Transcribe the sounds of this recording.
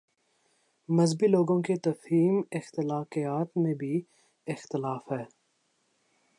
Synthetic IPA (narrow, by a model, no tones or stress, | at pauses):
mɐzbiloːɡõket̪ɐfiːmɪxt̪ɪlaːqijaːt̪mẽbʱi | ɪxt̪ɪlaːfɦɛː